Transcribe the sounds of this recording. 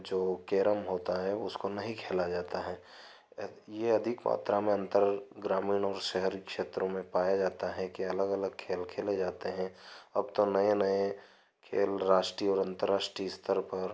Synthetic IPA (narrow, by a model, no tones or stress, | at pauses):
d͡ʒoːkeːɾəmɦoːt̪aɦɛʊskonɐɦĩkʰeːlad͡ʒaːt̪aɦɛː | jeɐd̪ʱɪkma̰ːt̪ɾamẽɐ̃nt̪əɾɡɾaːmiːnɔːɾʃɛɦɾikʃeːt̪ɾõmẽpaːjad͡ʒaːt̪aɦɛkiɐləɡɐləɡ̚kʰeːlkʰeːled͡ʒaːt̪eɦɛ̃ɐbt̪onɐenɐe | kʰḛːlɾaːʃʈɾiɔːɾɐ̃nt̪əɾːaːʃʈɾiɪst̪ʰəɾpɐɾ